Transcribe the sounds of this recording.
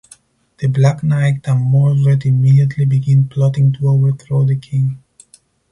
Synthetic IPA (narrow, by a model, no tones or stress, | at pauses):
ð̥əblaknaɪt̚ãnmɔɹvə˞timidiətʰlibiɡɪ̃npʰlɔɾɪ̃ŋtuoʊvə˞θɹoðəkʰɪ̃ŋ